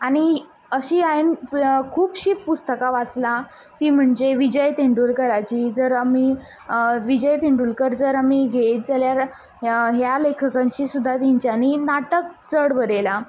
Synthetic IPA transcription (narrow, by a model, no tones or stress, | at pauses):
aɽ̃i | əɕiːainkʰuːpɕiːppːust̪əkaʋat͡sla | t̪iːm̤əɳd͡zeʋid͡ʑəjt̪iɳɖuːlkəɾajt͡ɕiːd͡zəɾami | ʋid͡ʑəjt̪iɳɖuːlkəɾd͡zəɾamiːɡʱetd͡zaljaɾ | ɦjalekʰəkãɲt͡ɕiːsud̪ʱːat̪iɲt͡ɕaninaʈəkt͡səɽʋəɾela